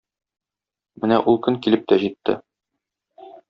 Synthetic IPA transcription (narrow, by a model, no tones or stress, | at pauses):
mɘnæ̰ʔulˠkɵŋkilɘp̚t̪æʑit̪ːɘ̰